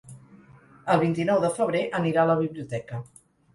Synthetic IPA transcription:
əlˠβint̪inɔwðəfəβ̞ɾeʔəniɾaələβ̞iβliut̪ɛkə

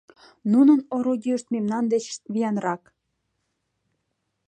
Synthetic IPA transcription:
nunənoɾoɡʲiəʃt̪̚memnɑnd̪et͡ɕ̪βijɑnrɑk

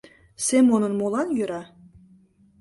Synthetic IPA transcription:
semonə̆nmolˠɑnjøɾɑ

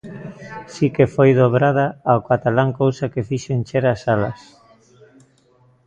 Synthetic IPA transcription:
sikefojðoβɾað̞aːokat̪alaŋkowsakefiʃoent͡ʃeɾasalɐ̰s

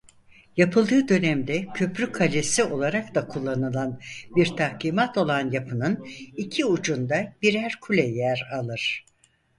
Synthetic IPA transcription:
japʰɯlˠd̪ɯːd̪ø̞næmd̪ɛcʰø̞pɾykʰalʲesio̞lˠaɾak̚d̪akʰulˠːanɯlˠanbiɾt̪ʰahkʰiːmat̪o̞lˠanjapʰɯnɯnicʰiud͡ʒund̪abiɾæɾkʰulʲɛjæɾalˠɯɾ̥

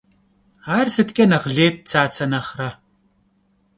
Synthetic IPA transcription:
aːrsɨtkʲʼɐnɐʁɮeːt̚t͡sʰaːt͡sʰɐnɐχrɐ

